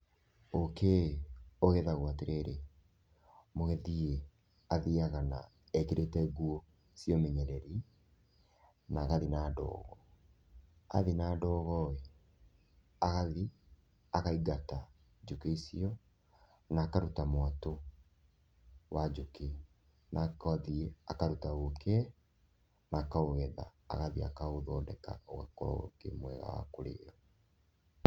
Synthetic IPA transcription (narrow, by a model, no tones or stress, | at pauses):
oke | oɣeðaɣwateɾʔeɾe | moɣɛðie | aðiaɣana̰ | ɛkeɾetɛɣuo | siɔmeɲɛɾɛɾi | naɣaðinaːdɔ̰ːɣɔ | a̰ðinaːdɔːɣɔe | aɣaði | aɣaiɡata | d͡ʒukeisiɔ | naːkaɾutamwato | wad͡ʒuke | nʔakaðieakaɾutaokɛ | naːkaoɣɛða̰ːɣaðia̰kaoðɔːdɛka̰ɔɛ̰kɔ̰kḛmwɛɣa̰wa̰koɾḛːɾɔ